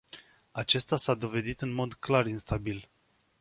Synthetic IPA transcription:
at͡ʃe̞st̪asad̪o̞ve̞d̪it̪ɨnmo̞d̪klarinst̪abil

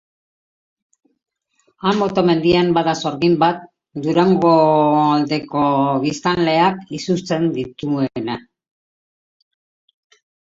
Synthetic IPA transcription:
amːot̪o̞me̞nd̪iambaðaso̞ɾɣimbat̪̚ | d̪uɾaŋɡold̪e̞ko̞βist̪anle̞akisust͡se̞nd̪it̪uena

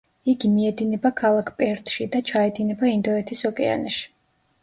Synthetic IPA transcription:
iɡimiɛd̪inɛbakʰalˠakʰpʼɛɾt̪ʰʼʃid̪at͡ʃʰaɛd̪inɛbaind̪ɔɛt̪ʰisɔkʼɛ̰a̰nɛʃi̥

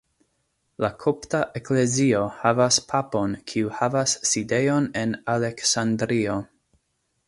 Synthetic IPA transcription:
lakʰoptaʔekle̞zio̞havaspʰapo̞nkʰiuhavasːide̞jo̞ne̞nale̞ksandɾio̞

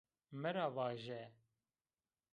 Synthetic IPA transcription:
mɨɾɑːvɑːʒɛ

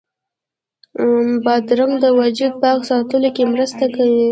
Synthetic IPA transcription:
bɑd̪ɾaŋd̪əwad͡ʒud̪̚pəaɣsɑt̪əlokemɾəst̪akawi

